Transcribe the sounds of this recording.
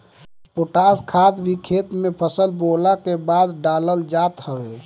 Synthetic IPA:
poʈaːskʰad̪bʱikʰeːt̪mepʰəsəlbolakebaːd̪ɖaːləld͡ʒat̪həbe

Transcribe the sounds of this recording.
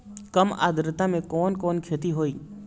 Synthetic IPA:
kəma̰ːd̪ʱɾɪt̪amẽkɔːnkɔːnkʰeːt̪iɦoːiː

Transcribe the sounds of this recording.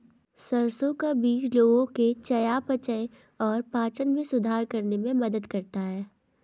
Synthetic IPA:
sɐɾsõkabiːt͡ʃloːɡõket͡ʃɐjapɐt͡ʃəe | ɔːɾpaːt͡ʃənmẽsʊd̪ʱaːɾkɐɾnemẽmɐd̪əd̪kɐɾt̪aɦɛː

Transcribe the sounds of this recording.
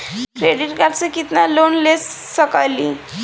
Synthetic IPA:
kɾeɖiʈkaɾt͡sekit̪nalonlesː | ʌkali

